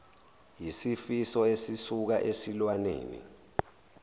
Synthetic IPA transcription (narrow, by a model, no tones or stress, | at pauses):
jisifisɔesisuk̬aʔesilwanḛːnḭ